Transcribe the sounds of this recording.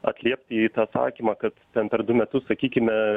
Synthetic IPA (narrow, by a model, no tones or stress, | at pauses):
ɐ̰t̪ʲlʲiɛpʲt̪ʲɪit̪ɑːsɑ̰ːkʲiːmɑːkɐt̪t̪ʲɛnpʲɛɾd̪ʊmʲɛt̪ʊssɐkʲiːkʲɪmʲɛ